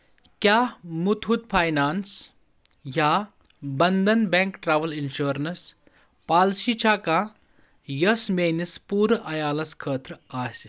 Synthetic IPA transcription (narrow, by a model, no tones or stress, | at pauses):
kjamut̪ɦut̪̚pʰaːjnaːns | ja | bɐnd̪ɐnbɛ̃ŋkʈɾaːʋɐlinʃoːɾnɐs | paːlsit͡ʃʰaːka | jɐsmeːnispuːɾʔɐjaːlɐskʰəːt̪ɾaːs